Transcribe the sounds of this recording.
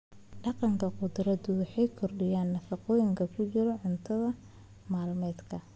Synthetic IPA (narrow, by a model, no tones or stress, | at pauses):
ɖɑqɑŋkʰɐqʊd̪ɾɐdʊwʊħɑjkʰɔrɖɪjaːnːɐfɑqɔːjɪŋkʰɐkʰʊt͡ʃɪɾɔʕʊnt̪ʰɐðɐ | maːlmɛːd̪kʰɐ